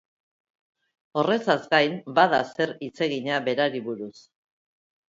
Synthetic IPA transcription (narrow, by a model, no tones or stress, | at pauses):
o̞re̞sazɡajmbaðase̞ɾit͡se̞ɣiɲaβe̞ɾaɾiβuɾus